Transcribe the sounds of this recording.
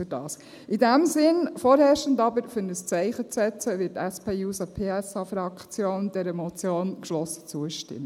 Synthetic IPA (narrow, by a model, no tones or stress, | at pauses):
yd̥ɑ̰ːs | ɪdæmsɪnfɔːɾhɛːɾʃtəndɑbəɾfʏɾnəst͡sɛɪχət͡sɛt͡səʋɪːtɛspʰeːjuːsɑpʰeːɛsɑfɾɑkt͡sjoːnd̥ɛɾəmɔt͡sjoːnkʃlɔsə̥t͡suəʃtɪ̰mːə